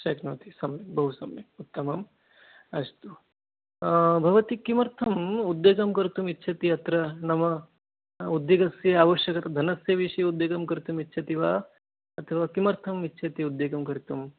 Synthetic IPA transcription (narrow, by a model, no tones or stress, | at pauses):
ʃɐknɐːt̪isɐmjebɐɦusɐmeut̪ːɐmɐm | ɐst̪u | bʱɐʋɐt̪ikimɐɾt̪ʰɐmud̪ːjeːɡɐmkɐɾit̪umitːt͡ʃʰɐt̪iɐt̪ɾɐnɐmɐ | ud̪jeːɡɐsjɐaːʋɐʃjɐkɐt̪ɐd̪ʱɐnɐsjɐʋiʂɐjɐud̪jeːɡɐmkɐɾit̪umitːt͡ʃʰɐt̪iʋaː | ɐt̪ʰɐʋaːkimɐɾt̪ʰɐmitːt͡ʃʰɐt̪iud̪ːeːɡɐmkɐɾit̪um